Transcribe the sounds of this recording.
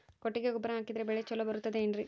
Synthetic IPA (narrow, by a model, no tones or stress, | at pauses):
koʈːiɡeɡubɾɐɦaːkid̪ɐɾebɛɭet͡ʃɔlːɐbɐɾut̪ːɐd̪eːnɾi